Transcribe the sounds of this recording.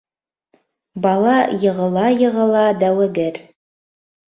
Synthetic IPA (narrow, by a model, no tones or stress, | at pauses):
bɑlˠɑjɤ̆ʁɤ̆lˠɑjɤ̆ʁɤ̆lˠɑd̪æwɘ̆ɡɘɾ